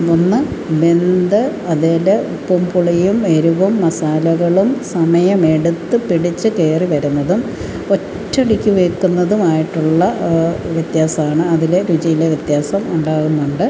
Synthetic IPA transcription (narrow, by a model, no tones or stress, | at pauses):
onːɨbe̞nd̪ɨɐðeːleupːumpuɭɐjume̞ɾuʋumːɐsaːlɐɣɐɭumsɐmɐjɐme̞ɽut̪ːɨpiɽit͡ɕːɨke̞ːriʋɐɾunːɐðum | o̞tːɐɽikʲːuʋekːunːɐðumaːjiʈːuɭːɐʋjet̪jaːsɐmaːɳɨɐðileɾud͡ʑɐjileʋjɐt̪jaːsɐmuɳɖaːɣunːuɳɖɨ